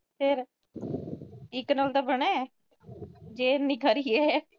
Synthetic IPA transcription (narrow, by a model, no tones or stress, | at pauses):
pʰɪɾ | ɪknaːlt̪aːbəɳ̃ɛː | d͡ʒeːnĩːkəɾiːɛː